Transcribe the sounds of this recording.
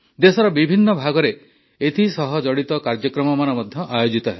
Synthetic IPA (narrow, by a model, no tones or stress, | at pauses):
d̪esɔɾɔbibʱinːɔbʱaɡɔɾe | et̪ʰisɔɦɔd͡ʒɔɽit̪ɔkaɾd͡ʒɔkɾɔmɔmanɔmɔd̪ʱjɔʔajod͡ʒit̪ɔɦe